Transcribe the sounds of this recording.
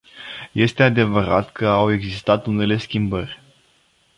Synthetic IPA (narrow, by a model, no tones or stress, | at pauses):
je̞st̪e̞ad̪e̞vəɾat̪kəawe̞ɡzist̪at̪une̞le̞skʲimbərʲ